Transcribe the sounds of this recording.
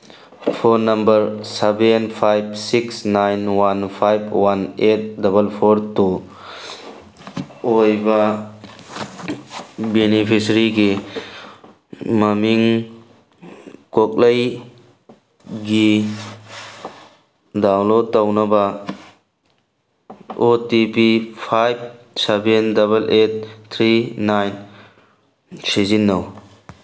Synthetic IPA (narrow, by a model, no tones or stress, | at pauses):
pʰoɾnɐmbɐɾsebenpʰajb̚siksnajnwanpʰajb̚ʰwanet̚dɐbɐlpʰoɾtu | ojbɐ | benipʰisɾiɡi | mɐmiŋ | kok̚ləj | ɡi | dawnlod̚tawnɐbɐ | otipipʰajb̚ | sebendɐbɐlʔet̚t̪ʰɾinajn | sezinːɐw